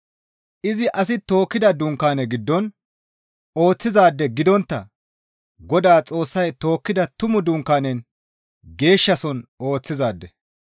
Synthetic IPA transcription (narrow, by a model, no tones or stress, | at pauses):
ʔɪzɪʔɐs̬ɪt̪o̞ːkːɪd̪ɐd̪ʊŋkːaːnɛɡɪd̪ːɔn | o̞ːt͡sːɪzaːd̪ːɛɡɪd̪ɔnt̪ːɐ | ɡɔd̪aːt͡sʼo̞ːsːɐjt̪o̞ːkːɪd̪ɐt̪ʊmʊd̪ʊŋkːaːnɛn | ɡe̞ːʃːɐsɔno̞ːt͡sːɪzaːd̪ːɛ